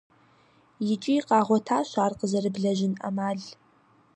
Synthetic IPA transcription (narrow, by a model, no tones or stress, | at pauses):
jɪt͡ʃʼijqʼɑːʁʷɔtʰaːʃʷaːrqʼəzɐrɨbɮɐʒɪna̰maːɮ